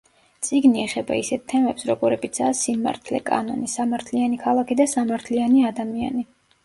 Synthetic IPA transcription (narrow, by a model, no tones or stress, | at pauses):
t̪sʼiɡniɛχɛba̰isɛt̪̚ʰt̪ʰːɛmɛpsɾɔɡɔɾɛbit̪sʰaːsima̰ɾt̪ʰlɛ̰kʼa̰nɔnisamaɾt̪ʰlianikʰalˠakʰid̪asamaɾt̪ʰlianiad̪amia̰ni